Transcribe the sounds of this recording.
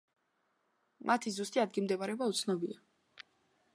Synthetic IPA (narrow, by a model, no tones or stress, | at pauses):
mʔat̪ʰizust̪ʼiad̪ɡimd̪ɛbaɾɛbaut̪sʰnɔbia